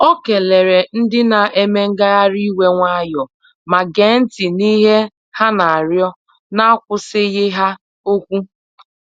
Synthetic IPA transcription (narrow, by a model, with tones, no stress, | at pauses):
o˦ke˨le˨ɾe˨n̩˦dɪ˦na˨ʔe˦me˦ŋ̩˦ɡa˦ɣa˦ɾi˦we˦ŋʷa˦jɔ˨ | ma˨ɡe˨˦n̩˦tɪ˨ni˦ɦe˦ | ha˦na˨a˨ɾjɔ˦ | na˦a˦kʷʊ˦sɪ˦ɣɪ˦ɦa˦ | o˦kʷu˦